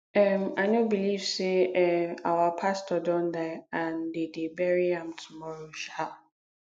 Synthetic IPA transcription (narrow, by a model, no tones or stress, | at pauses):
ɛmanobilivseɛawapʰastɔdɔ̃ndaãndedebɛɹiãmtʰumɔɹoʃal